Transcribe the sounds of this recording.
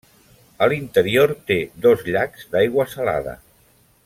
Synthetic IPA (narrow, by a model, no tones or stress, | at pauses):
əlint̪əɾioɾt̪eðɔzʎakz̥d̪ajɣwəsəla̰ðə̰